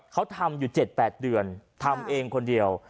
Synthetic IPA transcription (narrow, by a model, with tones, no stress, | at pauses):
kʰa˦˥wt̪ʰa˧mjuː˨˩t͡ɕe˨˩t̪̚pɛː˨˩t̪̚dɯ˨˩ənt̪ʰa˧mʔeː˧ŋkʰo˧ndi˧əw